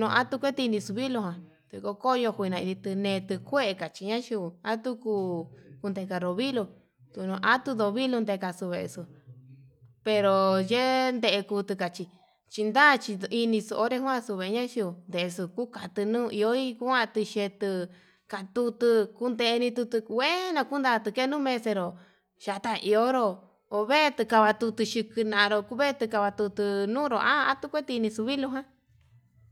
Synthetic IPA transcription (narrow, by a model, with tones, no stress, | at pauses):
nũ˧a˦t̪u˧kʷe˦t̪i˧nĩ˧su˧βi˦lo˧ɦã˨ | t̪ɨ˧ko˧ko˦˧jo˧hʷnã˧i˧ði˧t̪ɨ˧nẽ˧t̪ɨ˧kʷe˦ʔe˧ka˨t͡ʃi˧ɲã˦ʃi˧u˧a˦t̪u˦ku˧ku˧nd̪e˧ka˧ɾo˧βi˦lo˧ | t̪u˧nũ˧ʔa˦t̪u˧ðo˧βi˦lu˧nd̪e˧ka˧su˧βe˧ʔḛ˧su˧ | pe˧ɾo˧je˦nd̪e˧ʔe˧kuː˧t̪ɨ˧ka˨t͡ʃi˧ | t͡ʃi˧nd̪a˦˨˧t͡ʃi˧i˧nĩ˧su˧ʔo˦ɾe˧hw̃ã˦˧su˧βe˧˨˧ɲã˦ʃi˧u˧nd̪e˨ʔe˧su˧ku˦ka˨t̪ɨ˧nũː˦˧i˧o˦i˦ku˦ã˦˧t̪ɨ˧ʃe˧t̪ɨ˧ | ka˧t̪u˧t̪ɨ˧ku˦nd̪e˧ʔe˧nĩ˧t̪u˧t̪ɨ˧ke˦nã˧ku˦nd̪a˧t̪ɨ˧ke˦˧nũː˦mẽ˧se˧ɾo˨ | ʃa˨˧t̪a˧ʔi˧o˦ɾo˧ | o˧βe˦˧t̪ɨ˧ka˧βa˧t̪u˧t̪u˧ʃi˧kɨ˧nã˧ã˧ɾo˧ku˦βe˦˧t̪ɨ˧ka˧βa˧t̪u˧t̪ɨ˧nũ˦ɾo˨ʔa˦˧a˦t̪u˦kʷe˦t̪i˧i˧nĩ˧su˧βi˦lu˧ɦã˦